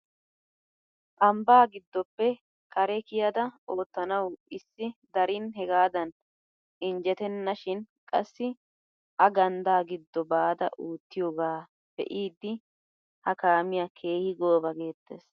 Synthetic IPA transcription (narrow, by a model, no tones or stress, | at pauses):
t̪ʼɐmbaːɡɪd̪ːɔpːɛ | kɐɾɛkɪjɐd̪ɐʔo̞ːt̪ːɐnɐwɪsːɪd̪ɐɾɪnɦɛɡaːd̪ɐn | ɪnd͡ʒɛt̪ɛnːɐʃɪn | kʼɐsːɪ | ʔɐɡɐnd̪aːɡɪd̪ːɔbaːd̪ɐ̰ʔuːt̪ːɪjo̞ːɡaː | b̥ɛ̰ʔiːd̪ːɪ | hɐkaːmɪjakʰe̞ːhɪɡo̞ːbɐɡe̞ːt̪ːeːs